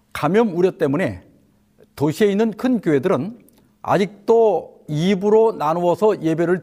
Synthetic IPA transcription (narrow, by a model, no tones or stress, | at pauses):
kamjʌmuɾjʌt͈̚e̞mune̞ | toɕʰie̞inːɯnkʰɯnkjoɦe̞dɯɾɯn | a̰d͡ʑik̚t͈oibɯɾonanuwʌsʰʌje̞be̞ɾɯɭ